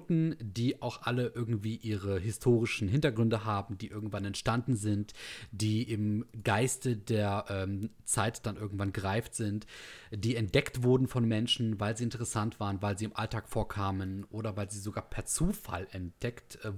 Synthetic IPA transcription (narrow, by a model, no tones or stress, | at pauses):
tn̩d̥iːʔaʊxʔaləʔɪɐɡŋ̩tv̥iːʔiːʁəɦɪstʰoːʁɪʃn̩ɦɪntɐɡʁʏndəɦaːbm̩diːʔɪɐɡŋ̩tv̥anɛntʃtandn̩zɪntd̥iːʔɪmɡ̥aɪstədeːɐʔɛːm | t͡saɪtd̥anʔɪɐɡŋ̩tv̥anɡəʁaɪftz̥ɪntd̥iːɛnt̚d̥ɛktv̥ʊɐdn̩fɔnmɛnʃn̩vaɪlziːɪntəʁ̞əsantv̥aːʁənvaɪlziːɪmʔaltʰaːkfoːɐkʰaːmənʔoːɾɐvaɪlziːzoɡaːɐpʰɛɐt͡suːfa̰lɛnt̚d̥ɛktː